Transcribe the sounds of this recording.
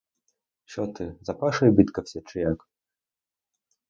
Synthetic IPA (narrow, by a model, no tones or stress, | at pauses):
ɕɔt̪ɨzɐpaʂɐjbʲit̪kɐfsʲɛt͡ʂɨjak